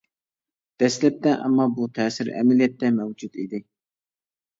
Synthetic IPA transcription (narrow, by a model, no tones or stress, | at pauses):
d̪̥ɛslɛp̚t̪ɛʔɛ̰mːɑbut̪ʰɛsɪɾɛ̰mɛlijɛt̪ːɛmɛwd͡ʒut̪id̪ɪ